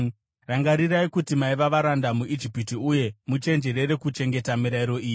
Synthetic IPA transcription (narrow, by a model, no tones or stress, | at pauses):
raŋɡaɾiɾaikutimaiʋaʋaɾandamuid͡ʒipitiuje̞mut͡ʃe̞nd͡ʒe̞ɾe̞ɾe̞kut͡ʃe̞ŋɡe̞tamiɾaiɾo̞iːi